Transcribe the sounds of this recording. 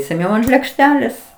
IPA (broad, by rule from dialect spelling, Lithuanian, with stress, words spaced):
sʲɛˈnʲɛʊ ɐnt lʲeːkˈʃʲtʲæːlʲeːs